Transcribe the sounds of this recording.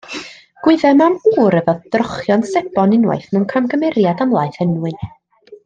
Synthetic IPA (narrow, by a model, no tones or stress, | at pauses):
ɡ̥wɪðɛmamuːɾəvɔðd̥rɔχjɔnsɛbɔnɪnwa̰jθnuwnkʰamɡəmɛɾjadamlˠajθɛnwɨn